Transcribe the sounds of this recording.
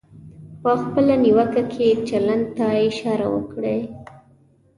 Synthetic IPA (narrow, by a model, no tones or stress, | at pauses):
pəxpəlaniwəkakʰet͡ʃaland̪̚t̪aɪʃɑɾa̰wə̰kɽe